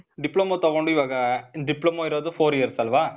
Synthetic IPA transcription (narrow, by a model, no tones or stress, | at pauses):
ɖɪpːɭomot̪ɐʋɔɳɖɯɪʋaːɣɐɖɪpːlomoːɪɾaːðɯfoːɾɪjɐɾsɐlʋaː